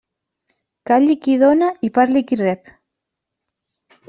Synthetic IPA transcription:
kaʎikiðonaipaɾlikirɛp

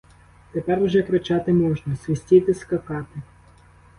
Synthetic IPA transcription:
t̪ɛpɛɾwʐɛkɾɪt͡ʃat̪ɪmɔʐnɐsʲʋʲesʲtʲit̪ɪskɐkɑt̪ɪ

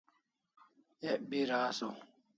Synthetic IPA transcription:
eʔbiɾaːso

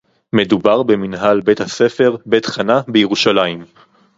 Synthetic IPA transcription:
me̞dubaʁbe̞minɦalbe̞t̪hase̞fe̞ʁbet̪χanabejeʁuʃalaim

